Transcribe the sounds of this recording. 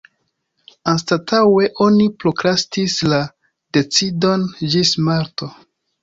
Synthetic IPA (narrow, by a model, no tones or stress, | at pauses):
anstatʰawe̞ʔo̞nipɾokɾastisla | d̥e̞t͡sidond͡ʒismaɾto̞